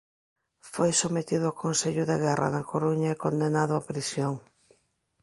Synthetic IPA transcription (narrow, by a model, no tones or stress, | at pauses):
fojsomet̪iðʊakonseʎʊðeɣɛrɐ̰nɐkoɾuɲɐekond̪enaðʊapɾisjoŋ